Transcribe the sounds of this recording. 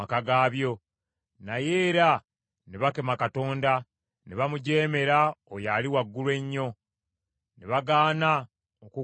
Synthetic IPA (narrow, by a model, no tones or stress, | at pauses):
akaɡaːβjo̞ | naje̞ːɾa | neβake̞makato̞ːnda | neβamuɟe̞ːme̞ɾaojaliwaɡːulwe̞ɲːo̞ | neβaɡaːna | oku